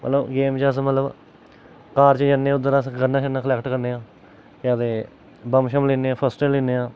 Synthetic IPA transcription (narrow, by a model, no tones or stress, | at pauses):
mə̰t̪ləbɡeːmt͡ʃəs̬mət̪ləb | kaːɾt͡ʃəd͡ʒənːẽːʊd̪ːəɾasɡəɾnãːʃənːãːkʰlɛːkʈkəɾneːãː | kaːd̪eː | bəmʃəmliːneːãːpʰəsʈəliːneːãː